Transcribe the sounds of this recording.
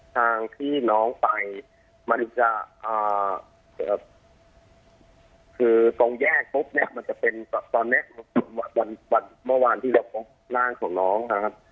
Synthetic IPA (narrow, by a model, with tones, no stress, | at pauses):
t̪ʰaː˧ŋt̪ʰiː˥˩nɔː˦˥ŋpa˧j | ma˧nt͡ɕa˨˩ʔʔaː˨˩ | aː˧˩ | kʰɯː˧so˧ŋjɛː˥˩k̚po˦˥p̚ni˦˥ɐʔma˧nt͡ɕa˨˩pe˧nt̪ɔ˧˩t̪ɔː˧nːi˦˥m˧n˧˩wa˧˩wa˧nwa˧nmɯ˥˩waː˧nt̪ʰiː˥˩ɾa˧wkɔ˧ | laː˥˩ŋkʰɔː˩˦ŋnɔː˦˥ŋnʰa˧kʰa˦˥p̚